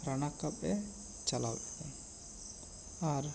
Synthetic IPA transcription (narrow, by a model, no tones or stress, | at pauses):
ɾanakːapɛ | t͡ʃalawɛkɔm | aɾ